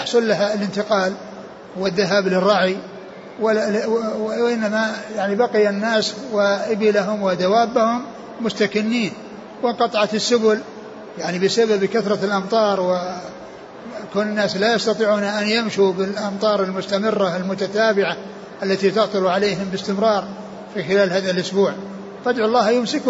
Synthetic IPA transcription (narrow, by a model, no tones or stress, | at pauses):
ħsˤʊlːaɦalɪnt̪ɪqɑːl | wɪðːaɦaːblɪrˤːɑʕi | w | ʔɪnːamajaʕnibɑqɪjanːaːswɪʔɪbɪlaɦʊmwɪd̪awaːbːahʊmː | ʊst̪akɪnːiːn | wɪqɑt̪ˤʕɑt̪ɪsːʊbʊl | jaʕnibɪsababkaθɾˤɑlʔɑmt̪ˤɑːɾˤwɪ | kaːnɪnːaːslajɑst̪ɑt̪ˤiːʕuːnaʔanjamʃubɪlʔɑmt̪ˤɑːɾˤɪlmʊst̪amɪrːaalmʊt̪at̪aːbɪʕa | ʔalːat̪it̪ʊʕt̪ˤʊluʕaleːɦɪmbɪst̪ɪmɾˤɑːɾˤ | fixɪlaːlhaːðalʔʊsbuːʕ | fad̪ʕʊlˤːɑːhjʊmsɪk